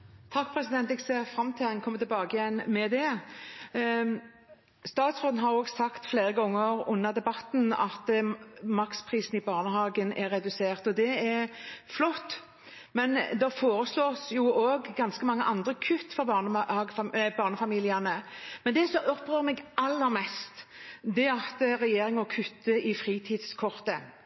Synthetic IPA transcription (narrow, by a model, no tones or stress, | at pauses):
t̪ʰɑkːpʰɾɛsɪd̪ɛnt̪ɛɡseːʁfɾɑmt̪ʰɪlɛnkʰɔmət̪ʰɪlbɑːɡəjɛnːmɛd̪ɛ | st̪ɑːt̪sʁoːd̪n̩ɦɑɾoːɡsɑkt̪fleːɾəɡɔŋːəɾʊnːəʁd̪ɛbɑt̪nɑ̰t̪mɑkspʰʁiːsn̩ibɑːʁnəɦɑːɡənæɾɛd̪ʉseːʁt̪ɔd̪ɛɛflɔt̪ː | mɛnd̪ɑfoːɾəsloːsjʊoːɡɡɑnskəmɑŋːəʔɑnd̪ɾəkʰʉt̪ːfɔbɑnɑɡbɑːʁnəfɑmiːlɪɑnəmɛnd̪ɛsɔɔpːʁøːʁmɛɡʔɑlːəɾmɛst̪d̪ɛɑt̪ʁɛjeːɾɪŋɔkʰʉt̪ːəɪfʁiːt̪ʰiːd̪̥skʰɔʁt̪ə